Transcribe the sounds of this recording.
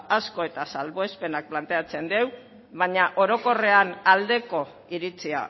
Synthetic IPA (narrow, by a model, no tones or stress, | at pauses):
asko̞e̞t̪asalβo̞espe̞nak̚plant̪e̞at͡se̞nd̪e̞w | βaɲaʔo̞ɾo̞ko̞re̞anald̪e̞ko̞ | iɾit͡sia̰